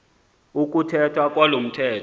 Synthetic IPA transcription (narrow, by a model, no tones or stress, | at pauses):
uk̬ʼutʰɛtʰwak̬ʼwalom̩tʰɛːtʰ